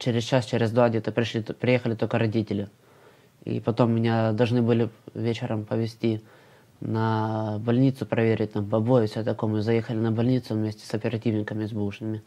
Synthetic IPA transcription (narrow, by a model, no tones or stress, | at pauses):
t͡ɕeɾʲɪst͡ɕast͡ɕeɾʲɪzd̪vaɡdʲet̪əpɾʲɪlʲipʲɾʲɪjexəlʲɪt̪o̞lʲkəɾɐdʲitʲɪlʲɪ | ḭpɐt̪o̞mːʲɪnʲad̪ɐlˠʐnɨbɨlʲɪvʲet͡ɕɪɾəmpəvʲɪsʲtʲi | nəbɐlʲnʲit̪sʊpɾɐvʲeɾʲɪt̚ʲt̪ampɐbo̞jʊfsʲot̪ɐkomʊzɐjexəlʲɪnəbɐlʲnʲit̪sʊvmʲesʲtʲɪ̥sɐpʲɪɾɐtʲivnʲɪkəmʲɪzʲbuʂnɨmʲɪ